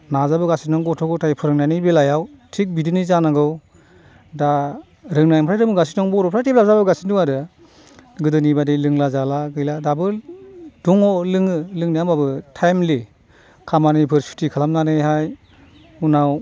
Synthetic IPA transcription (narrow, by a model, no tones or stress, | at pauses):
nazabɯɡasinɔŋɡɔtʰɔɡɯtʰajpʰɯɾɯŋnajnibelajaw | tʰik̚bidɯnizanaɡɯw | da | ɾɯŋnajmpʰɾajɾɯmbɯɡasinɔŋbɔɾɔpʰɾajtep̚lap̚zabɯɡasinduŋaɾɯ | ɡɯdɯnibadelɯŋlazalaɡɯjladabɯduŋɔlɯŋɯlɯŋnijambabɯtʰajmli | kʰamanɯjpʰɯɾsi̥tikʰalamnanɯjhaj | unaw